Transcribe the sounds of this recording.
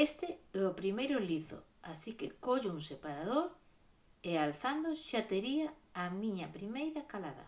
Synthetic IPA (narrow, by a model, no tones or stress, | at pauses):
est̪ɪɛopɾimejɾʊliθo̰ | asikḛkoʎʊuŋsepaɾað̞oɾ | ealθand̪oʃat̪eɾiaːmĩɲɐpɾimejɾɐkalaðɐ̰